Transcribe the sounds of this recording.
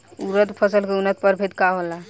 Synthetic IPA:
uɾət̪pʰəsəlkeunət̪̚pəɾbʱet̪kaɦola

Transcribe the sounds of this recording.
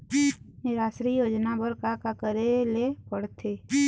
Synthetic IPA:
nɪɾaːsɾijoːd͡ʒnabəɾkakakəɾelepəɽt̪ʰe

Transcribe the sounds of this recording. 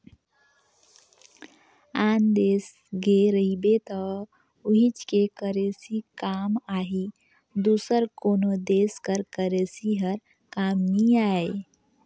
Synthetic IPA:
and̪es | ɡeɾəɦibet̪ɔ | uɦit͡ʃkekəɾesikamaɦi | d̪usəɾkonod̪eskəɾkəɾesiɦəɾ | kamniae

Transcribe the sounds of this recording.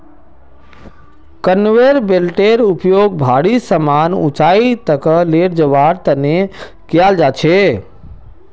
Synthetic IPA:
kənʋeɾbelʈeɾupjoɡ̚bʱaɽisəmanṵt͡ʃait̪əkəleʈd͡ʒəʋaɾt̪əne | kijald͡ʒat͡ʃʰe

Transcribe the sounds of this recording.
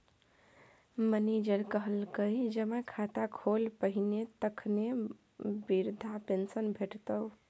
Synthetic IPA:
məned͡ʒəɾkəɦəlkəjd͡ʒəmakʰat̪akʰolpəɦinet̪əkʰne | biɾd̪ʱapensənbʱeʈt̪əw

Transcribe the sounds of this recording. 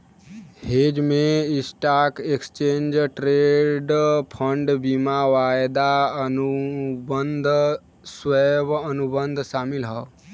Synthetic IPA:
hed͡ʒmẽɪsʈaːkekst͡ʃẽːnd͡ʒʈɾeɖpʰəɳɖbimaʋajd̪aənubənd̪ʱ | sweʋənubənd̪ʱʃaːmɪlɦə

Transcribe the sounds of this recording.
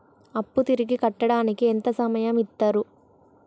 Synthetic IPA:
ɐpːut̪iɾiɡikɐʈːɐɽaːnikient̪ɐsɐmɐjɐmit̪ːaːɾu

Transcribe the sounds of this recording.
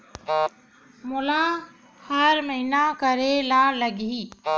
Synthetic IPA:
mʊla | həɾməɦinakəɾelaləɡʱi

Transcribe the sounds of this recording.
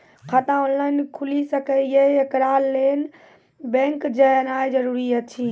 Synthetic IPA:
kʰat̪ãonlajnkʰulisəkɛjeekɾalen | bɛ̃ŋkd͡ʒənaed͡ʒəɾuɾiət͡ʃʰi

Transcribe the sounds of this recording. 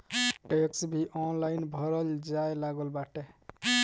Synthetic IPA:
ʈeksbʱiʔɔnlajnbʱʌɾʌld͡ʒajlaɡəlbaʈe

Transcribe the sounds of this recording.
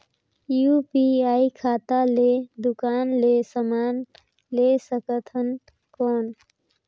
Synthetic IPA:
jupiaːikʰaːt̪aled̪ʊkaːnlesəmaːn | lesəkət̪ʰɦən | kɔːn

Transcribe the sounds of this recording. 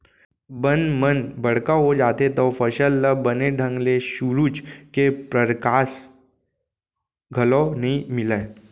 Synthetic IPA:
bənmənbəɽ̤kaɦod͡ʒat̪ʰet̪ɔfəɕəlːabəneɖʱəŋɡleɕuɾut͡ɕkepɾəɾkas | ɡʱəlɔnəimilã

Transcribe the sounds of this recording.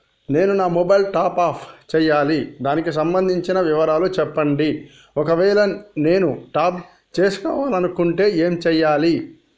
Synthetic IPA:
ne̞ːnunaːmɔbɐjlʈaːpaːpʰt͡ʃɛːjːaːlid̪aːnikis̬ɐmbɐnd̪ʱiɲt͡ʃinɐʋiʋɐɾaːlut͡ʃɛpːɐɳɖi | ɔkɐʋɛːlɐne̞ːnuʈaːp | t͡ʃe̞ːsu̥kɔ̰ːʋaːlɐnukuɳʈe̞ːeːmt͡ʃɛːjːaːli

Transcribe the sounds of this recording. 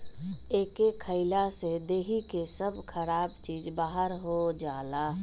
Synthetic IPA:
eːkekʰəɪlased̪eːɦikesəbʱkʰəɾaːbt͡ʃiːd͡ʒbaːɦəɾɦod͡ʒaːlaː

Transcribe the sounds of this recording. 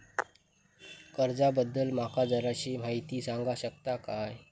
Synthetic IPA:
kəɾd͡zabəd̪ːəlm̤akad͡zəɾat͡ɕiːm̤aɦit̪iːsaŋɡaɕək̚t̪akaj

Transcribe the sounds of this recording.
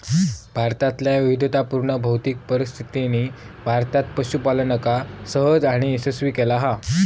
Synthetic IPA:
bʱaɾt̪at̪ljaʋiʋid̪ʱət̪apuɾɳəbʱəwt̪iːk̚pəɾist̪ʰit̪ini | bʱaɾt̪at̪pəɕupalənəkasəɦəd͡zaɽ̃iesesʋiːkɛlaɦa

